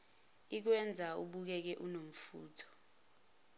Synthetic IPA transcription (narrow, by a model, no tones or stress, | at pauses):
ik̬wɛnd͡zʱaṵɓuk̬ɛk̬ɛʔunom̩fṵːtʰɔ̥